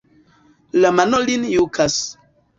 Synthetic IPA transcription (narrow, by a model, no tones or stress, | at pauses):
lamanolinjukʰas